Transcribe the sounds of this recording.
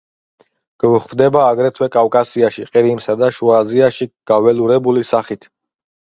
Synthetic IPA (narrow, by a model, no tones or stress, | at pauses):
ɡ̥vχvd̪ɛbaːɡɾɛt̪ʰwɛkʼafkʼasiaʃiqʼiɾimsad̪aʃuaziaʃiɡ̥avɛluɾɛbulisaχit̪ʰ